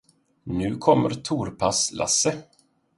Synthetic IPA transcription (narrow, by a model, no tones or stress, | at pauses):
nʉ̟ːkʰɔmːəɾt̪ʰuːɾpʰaslʔa̰sːə